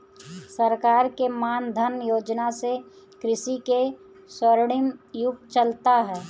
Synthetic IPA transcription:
səɾkaːɾkemaːnd̪ʱənjoːd͡ʒnase | kɾɪʃike | swəɾɽɪmjʊk̚t̪̚t͡ʃəlt̪aɦɛː

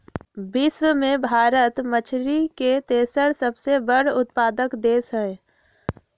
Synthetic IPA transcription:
bɪswəmẽbʱaːɾət̪mət͡ʃʰɾiket̪eːsəɾsəbsebəɽʊt̪̚paːd̪əkd̪eːsɦɛ

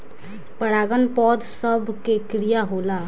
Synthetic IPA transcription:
pəɽaːɡənpɔːd̪səbkekɾɪjaːɦoːlaː

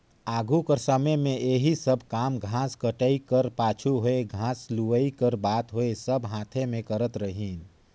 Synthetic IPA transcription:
aɡʱukəɾsəməmẽʔeɦisəbʱkamɡʱãskəʈəikəɾpaːt͡ʃʰuɦoeɡʱãsluʋəikəɾbat̪ɦoesəbʱɦãt̪ʰemẽkəɾət̪ɾəɦin

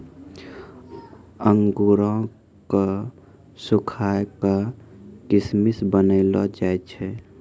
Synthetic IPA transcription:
əŋɡuɾõ | ka | sukʰakakɪsmisbənəɪlɔ̰d͡ʒaet͡ʃʰɛ

